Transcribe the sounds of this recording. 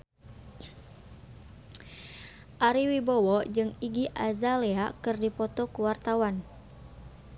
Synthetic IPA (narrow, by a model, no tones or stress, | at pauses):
ʔaɾiwibɔwɔd͡ʒɨŋiɡiʔazaleakɨrdipɔt̪ɔkuwart̪awan